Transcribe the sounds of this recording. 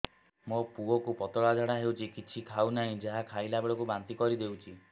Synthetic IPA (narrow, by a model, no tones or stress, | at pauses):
mopuɔkupɔt̪ɔɭad͡ʒʱɔɽaɦewt͡ʃʰikit͡ʃʰikʰawnaɦĩd͡ʒaɦakʰajlabeɭɔkubant̪ikɔɾid̪ewt͡ʃʰi